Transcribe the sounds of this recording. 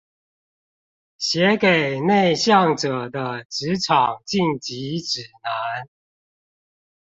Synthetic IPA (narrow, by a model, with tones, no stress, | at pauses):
ɕjɛ˨˦ke˨˩ɪne˥˧ɪɕjɑ˥˨ŋʈ͡ʂɤ˨˩d̪ə˦ʈ͡ʂɻ̩˧˦ʈ͡ʂʰɑ˨˩ŋt͡ɕi˥˩ŋt͡ɕi˧˦˥ʈ͡ʂɻ̩˨˩na˧˦n